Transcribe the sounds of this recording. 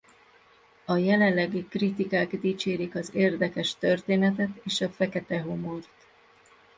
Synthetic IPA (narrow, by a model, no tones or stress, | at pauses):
ɒjɛlɛnlːɛɡikrit̪ikaːɡd̪iːt͡ʃeːɾikɒzeːrd̪ɛkɛʃt̪ørt̪eːnɛt̪ɛt̪eːʃɒfɛkɛt̪ɛɦo̞mo̞rt̪